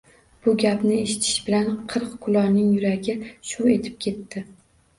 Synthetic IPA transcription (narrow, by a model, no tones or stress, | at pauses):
b̥ʊɡʲapnɪe̞ʃɪ̥t̪ʰɪ̥ʃbɪlanqʰɨɾqkʰʊlˠɒnɪŋjʊɾaɡʲɪʃʊe̞t̪ʰɪ̥p̚kʲʰe̞t̪ːɪ